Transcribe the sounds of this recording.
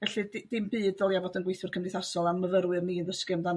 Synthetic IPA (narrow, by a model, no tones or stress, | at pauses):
vɛɬɨdd̥ɪmbɨːdɔlˠjavɔdənɡwejθɪrkʰəmnɪθasɔlˠaməvəɾwɨrmiːnðəskɨmdan